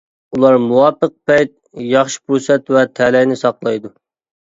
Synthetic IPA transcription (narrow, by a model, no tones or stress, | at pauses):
ulˠɑɾmuwɑpəq̚pɛjt̪̚ | jɑχʃi̥puɾsɛt̪wɛt̪ʰɛlɛjnɪsɑqlˠɑjd̪u